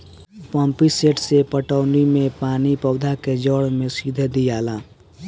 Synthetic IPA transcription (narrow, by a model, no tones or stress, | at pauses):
pəmpiseʈsepəʈəʊnimẽpaːnipəʊd̪ʱaked͡ʒɔɽmẽsid̪ʱed̪ijaːla